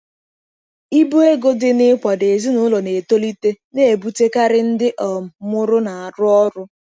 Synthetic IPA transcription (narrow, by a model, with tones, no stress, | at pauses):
i˦bo˦e˦ɡo˦dɪ˦nɪ˦kʷɔ˨de˨zi˦nʊ˦lo˨ne˨to˦li˦te˦ne˦e˨bu˦te˦ka˦ɾɪ˦n̩˦dɪ˦ʔɔ˨m˨mʊ˦ɾʊ˦na˨a˨ɾʊ˦ɔ˦ɾʊ˦